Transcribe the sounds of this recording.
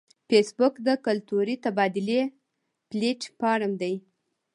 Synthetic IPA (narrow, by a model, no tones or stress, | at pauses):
fesbʊkd̪əkʊlt̪uɾit̪abɑd̪ɪle | pleʈpɑɽəmd̪aj